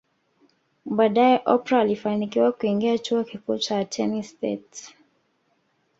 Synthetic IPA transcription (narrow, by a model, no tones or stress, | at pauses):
ɓaːɗajɛʔɔpɾaːlifanikiwakuiŋɡiat͡ʃuɔkikuːt͡ʃatʰɛnistɛ̰t